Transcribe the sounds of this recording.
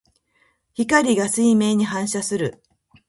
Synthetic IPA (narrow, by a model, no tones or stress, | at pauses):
çikaɾʲiɡasɨime̞ːɲ̟iɦãɰ̃ɕasɨɾɯ̟